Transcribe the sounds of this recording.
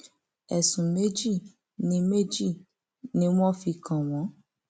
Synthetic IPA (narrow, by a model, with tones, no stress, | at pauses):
ɛ˨sũ˨me˦d͡ʒi˦˨ | nĩ˧˦me˦d͡ʒi˦˨ | nĩ˧˦w̃ɔ̃˦fi˧kʰã˨w̃ɔ̃˨˦